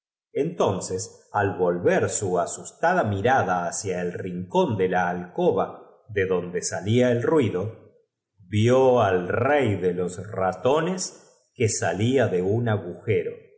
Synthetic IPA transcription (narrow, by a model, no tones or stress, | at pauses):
ent̪o̞nsesalβo̞lβeɾsuasust̪aðamiɾaðaːsjaelriŋko̞nd̪elaːlkoβa | ðe̞ðo̞nd̪e̞saliaelrwiðo̞ | βjoalrejðelo̞srat̪o̞nes | kesaliaðe̞unaɣuxeɾo̞